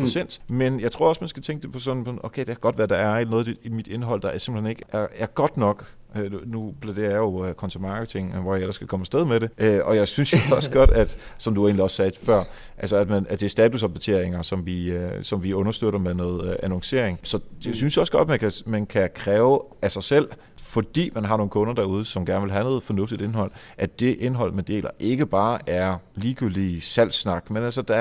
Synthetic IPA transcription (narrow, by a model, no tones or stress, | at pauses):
pʰosen̰d̥menjɑ̈ɪt͡sʰʁo̝ɐ̰ɒsmænsɡ̥æt͡sʰeŋɡ̥əd̥e̝pʰɒ̽sɒ̽npʰɔo̰kʰeɪde̝kʰæɡ̥ɒ̽d̥ʋæd̥ɑ̈æɐlnɔːðˠd̥e̥imid̥e̝nɦɒ̽l̰d̥ɑ̈æɐse̝mb̥l̩hene̝ɡ̥əʔæɐæɐɡ̥ɒ̽d̥nɒ̽ɡ̥ | ønupʰlæd̥e̝ːɐjajokʰɒ̽nt͡sʰæmɑ̈ːɡ̥ət͡sʰe̝ŋʋɒjɑ̈elɐsɡ̥ʰækʰɒ̽məsd̥eð̞ˠmeɾe̝ʔøɒ̽jɑ̈ɪsynsjɒsəɡ̥ɒ̽d̥æd̥ | sɒ̽md̥ue̝ːnliɒssɛːd̥fɶɐ̰ | ʔælsəæd̥mænæd̥e̝æɐsd̥ɛːt͡sʰusʁɑpʰot͡sʰe̝ɐ̰e̝ŋɐsɒ̽mʋiøsɒ̽mʋiɔ̽nɐsd̥øð̥ˠɐmeðˠnɔ̽ːð̩ˠʔænɒŋse̝̰ɐ̰eŋsɒ̽jaɪsynsjɒ̽səɡ̥ɒ̽d̥mænkʰæmænkʰækʰʁɛːʊ | æsɑ̈ɪsel̰ | fɒ̽d̥ḭːmænɦɑ̈no̝ːn̩kʰɔ̽nɐd̥æɐuð̞ˠəsɒ̽mɡ̥æɐnəʋe̝lɦænoɔ̽ːð̩ˠfɒ̽nɔ̽fd̥id̥e̝nɦɒ̽l̰ | ʔæd̥e̝ʔe̝nɦɒ̽l̰med̥e̝̰ːlʔɐʔe̝ɡ̥əb̥ɑ̈ːʔæɐliːɡ̥yld̥isæl̰snɑ̈ɡ̥menæls̬əd̥æ